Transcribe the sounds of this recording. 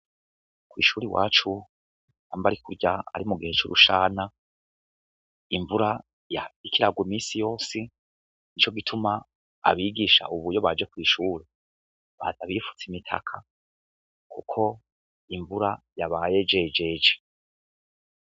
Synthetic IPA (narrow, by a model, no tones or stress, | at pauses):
kwḭːʃuɾiwa̰ːt͡ʃu | haːmbaɾikuɾɟaa̰ɾimuɡihe̞t͡ʃoɾṵʃaːna | iɱvuɾa | jaikiɾaɡwimiːsijo̞ːsi | nit͡ʃo̞ɡitʰuma̰ː | βiːɡiʃa̰ʔuβujo̞βad͡ʒe̞kwiːʃuːɾi | βa̰zaβifu̥t͡simitʰa̰kʰa | kukʰo̞ | iɱvuɾa | jaβaje̞d͡ʒe̞d͡ʒe̞d͡ʒe̥